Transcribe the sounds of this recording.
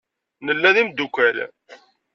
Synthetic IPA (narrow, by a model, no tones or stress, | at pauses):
nəlːæðimd̪ukʷæl